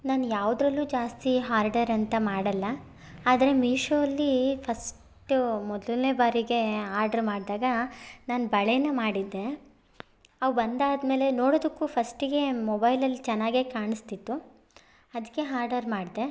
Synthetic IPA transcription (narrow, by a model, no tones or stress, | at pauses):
naːnjaːʋud̪ɾɐlːuːd͡ʒaːst̪iɦaːɾɖɐɾɐnt̪ɐmaːɽɐlːɐ | aːd̪ɐɾe̞miːʂoːɐlːipʰɐs | ʈumɔd̪lneːbaːɾiɡe̞aːɾɖɐɾmaːɽd̪aːɡɐnaːnbɐɭejnɐmaːɽid̪ːe̞ | ɐʋbɐnd̪aːd̪me̞ːle̞noːɽoːd̪ɐkːuːpʰɐsʈiɡe̞mɔbɐjlɐlːit͡ʃɛnːaːɡeːkaːɳist̪it̪ːu | ɐd̪ɐkːe̞ɦaːɾɖɐɾmaːɽd̪e̞